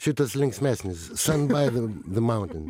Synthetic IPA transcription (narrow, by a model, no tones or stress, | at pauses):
ʃut̪əslɪ̃ŋksmɛsnɪzsʌ̃nbaɪðəðəmãʊ̃ntɨ̃n